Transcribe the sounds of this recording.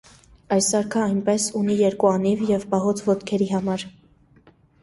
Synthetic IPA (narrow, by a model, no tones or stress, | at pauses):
ɑjsɑɾkʰəɑjnpɛsunijɛɾkuɑnivjɛvpɑɦɔt͡sʰvɔt̪kʰɛɾiɦɑmɑɾ